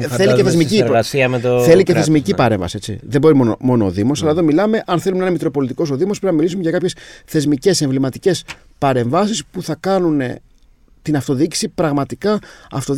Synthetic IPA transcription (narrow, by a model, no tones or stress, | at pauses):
θeliceθezmicisiɐmet̪oθe̞liceezmicipɐɾe̞ɱvɐ̰sie̞t͡sḭðe̞bo̞ɾimonmo̞noːðimo̞sɐlɐðo̞milɐme̞ʔɐnθe̞lumnenɐmit̪k̪ɾopo̞lit̪iko̞so̞ðimospɾinɐmilisumeʝɐkɐpçe̞sθe̞zmice̞se̞ɱvlimɐt̪ice̞s | pɐɾe̞ɱvɐsispuθɐkɐnunḛ | t̪inɐft̪o̞ðici̥sipɾɐɣmɐt̪ikɐɐft̪o̞